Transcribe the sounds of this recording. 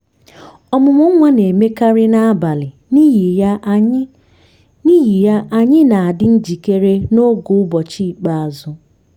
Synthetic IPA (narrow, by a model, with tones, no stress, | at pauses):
ɔ˦˨mʊ˨mʊ˦ŋʷa˦ne˨me˦ka˦ɾɪ˦na˦a˦ba˨lɪ˨˦˨ | ni˦ji˨ja˦ʔa˨ɲɪ˦na˨a˨dɪ˦n̩˦d͡ʒi˨ke˦ɾe˦no˦ɡʊ˨ʊ˦bɔ˨t͡ʃi˦i˨k͡pa˨a˨zʊ˦